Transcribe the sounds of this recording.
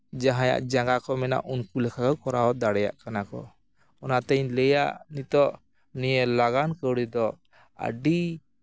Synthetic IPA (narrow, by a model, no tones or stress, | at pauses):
d͡ʒaɦãja̰ʔd͡ʒaŋɡakɔmɛna̰ʔunkulɛkʰakawkɔɾawɔd̪aɽɛja̰ʔkanakɔ̰ | ɔnat̪ɛɲlɛja̰ʔnit̪ɔʔ | nijəlaɡankəwɽid̪ɔ | ə̰ɖi